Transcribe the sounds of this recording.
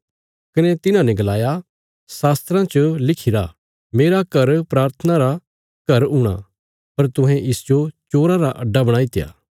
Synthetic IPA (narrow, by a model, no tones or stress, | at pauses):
kɪnɛt̪ɪnãnɛ̃ɡɐlaːja | saːst̪ɾãt͡ʃəlɪkʰɪɾa̰ | meːɾakɐɾpɾaːɾt̪ʰənãɾa | kɐɾɦuːɽ̃a̰ | pɐɾt̪ʊ̃ɦɛ̃ʔɪsd͡ʒot͡ʃoːɾãɾaʔɐɖːabɐɽaːit̪ɪja̰ː